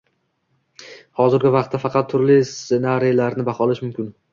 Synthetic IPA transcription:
hɒzɪɾɡʲɪvɑqt̪ʰːafɑqʰɑt̪ʰːʊɾlɪsenaɾijlaɾnɪbɑχɒlˠɪʃmʊmkʲʰɪn

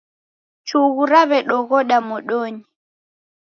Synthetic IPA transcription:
t͡ʃuɣuɾaβɛɗɔɣɔɗamɔɗɔɲi

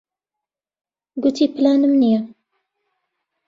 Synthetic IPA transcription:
ɡʊt̪ʰiːpɨlaːnɨmnija

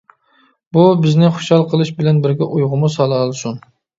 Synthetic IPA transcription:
bubɪznɪχʊ̥ʃhɑlˠqʰəlˠɨʃbɪlænbɪɾɡʲɛʔujʁʊmusɑlˠɑlˠsʊn

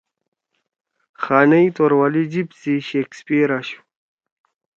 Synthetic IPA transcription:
xaːnɐjt̪oɾwalid͡ʑipsiɕeːkspiɾaɕu̥

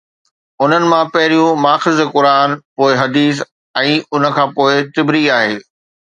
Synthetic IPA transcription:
ʊn̤ənɪ̆mãpɐɦɪɾijũmaːfɪzkʊɾaːnpoːɪɦɐd̪iːs̬ | ɛ̃ːʊn̤ə̆kʰãːpoːɪt̪ɪbɾiaːɦeː

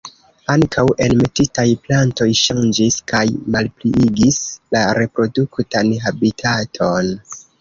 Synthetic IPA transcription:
aŋkʰawʔe̞lme̞titajplanto̞jʃand͡ʒiskʰajmalpliiɡislaɾe̞pɾo̞duktanɦabitʰatʰo̞n

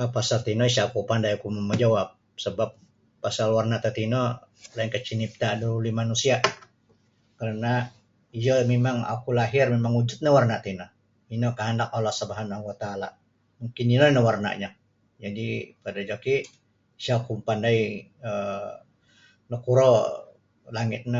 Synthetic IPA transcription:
pasalt̪inɔiʃakupandajakumaməd͡ʒawap̚ | səbapː | asalwarnat̪ət̪inɔ | lainkət͡ʃinip̚t̪adəɾulimanusiaʔ | kəɾəna | ijəmemaŋa̰kulaɦɪrmemaŋud͡ʒʊt̪̚ɲawarnat̪inɔ | inɔkəɦandakɔlahsəbaɦanahuwat̪aːla̰ | muŋkɪninɔnəwarna̰ʔɲa | d͡ʒadipadad͡ʒaki | ʃakumpandaiə | nɔkuɾɔ | laŋɪt̪̚nə

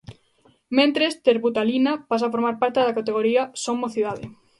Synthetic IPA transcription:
mẽnt̪ɾest̪eɾβut̪alinapasafoɾmaɾpaɾt̪eðakat̪eɣ̞oɾiasomoθiðaðe

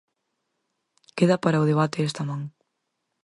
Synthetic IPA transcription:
keðɐpaɾɐʊðeβat̪eest̪ɐmãŋ

